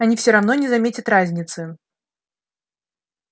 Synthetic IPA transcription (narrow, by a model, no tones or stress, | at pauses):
ɐnʲifsʲɪɾɐvnonʲɪzɐmʲetʲɪt̪ɾazʲnʲɪt̪sɨ